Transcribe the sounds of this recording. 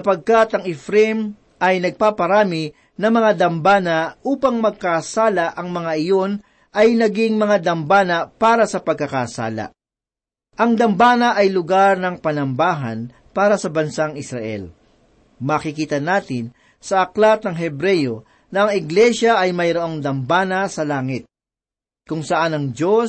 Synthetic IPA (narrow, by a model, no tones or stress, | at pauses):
sɐpɐɡ̚kat̪ɐŋɛfɾɛm | ɐjnɐɡ̚paːpɐɾaːmɪ | nɐŋmɐŋad̪ɐmbaːnɐʔuːpɐŋmɐɡ̚kaːsaːlɐʔɐŋmɐŋaʔɪjo̞n | ʔɐjnɐɡiŋmɐŋad̪ɐmbaːnɐpaːɾɐsɐpɐɡ̚kːɐkaːsa̰ːlɐ̰ | ʔɐŋd̪ɐmbaːnɐʔɐjlʊɡaɾnɐŋpɐnɐmbaːɦɐ̰n | paːɾɐsɐbɐnsaŋɪsɾɐʔɛ̰l | mɐːkɪkiːt̪ɐnaːt̪ɪn | sɐʔɐklat̪̚nɐŋɦɛbɾɛjo | nɐɐŋɪɡlɛʃɐʔːjmɐjɾoʔoŋd̪ɐmbaːnɐsɐlaːŋɪt̪̚ | kʊŋsɐʔanɐŋd͡ʒo̞